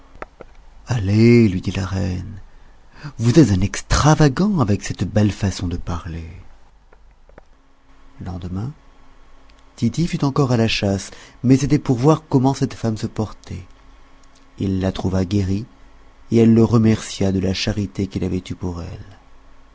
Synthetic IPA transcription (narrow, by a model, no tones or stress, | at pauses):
alelɥid̪ilaʁɛn | vuzɛt̪zɛ̃nɛkst̪χavaɡɑ̃avɛksɛt̪bɛlfasɔ̃d̪əpaʁle | ləlɑ̃d̪əmɛ̃ | t̪it̪ifyt̪ɑ̃kɔʁalaʃasmɛset̪ɛpuʁvwaʁkɔmɑ̃sɛt̪famsəpɔʁt̪ʰɛ | ilːat̪χuvaɡeʁi | eɛlːəʁəmɛʁsjad̪əlaʃaʁit̪ekilavɛt̪ypuʁɛ̰l